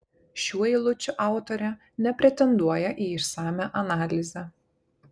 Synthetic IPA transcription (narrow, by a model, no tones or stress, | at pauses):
ʃʲuɔɪlˠʊt͡ʃʲʊʔɑˑʊt̪ɔɾʲɛ | nʲɛpʲɾʲɛt̪ʲɛnd̪uɔjɛʔiːɪʃsɑːmʲæʔɐnɑːlʲɪzʲɛ